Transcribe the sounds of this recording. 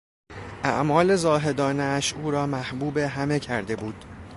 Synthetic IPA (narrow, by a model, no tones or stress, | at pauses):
ʔæ̰ʔmɒːle̞zɒːɦe̞d̪ɒːneæʃuːɾɒːmæhbuːbe̞ɦæme̞cʰæɾd̪e̞buːd̪̥